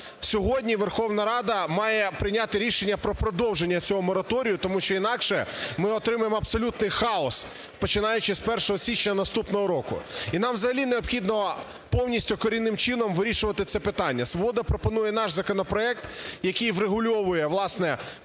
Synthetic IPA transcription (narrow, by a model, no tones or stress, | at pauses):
sʲɔɦɔdʲnʲiʋerxɔwnɐɾɑd̪ɐmɑjɛpɾɪnʲat̪ɪɾʲiʃenʲːɐpɾɔpɾɔd̪ɔwʒenʲːɐt͡sʲɔɦɔmɔɾɐt̪ɔɾʲijʊt̪ɔmuʃt͡ʃɔinɑkʃɛmɪɔt̪ɾɪmʊjemɔɐpsɔlʲut̪nɪjxɑɔs | pɔt͡ʃɪnɑjʊt͡ʃɪspɛrʂɔɦɔsʲit͡ʃnʲɐnɐst̪upnɔɦɔɾɔkʊ̰inɑmzɐɦɐlʲineɔpxʲid̪nɔ | pɔwnʲisʲtʲʊkɔɾʲinːɪmt͡ʃɪnɔmʋɪɾʲiʃʊʋɐt̪ɪt̪sɛpɪt̪ɑnʲːɐsʋɔbɔd̪ɐpɾɔpɔnujɛnɑʃzɐkɔnɔpɾɔɛk̚t̪jɐkɨjʋɾeɦʊlʲɔʋʊjɛʋlˠɑsnɛ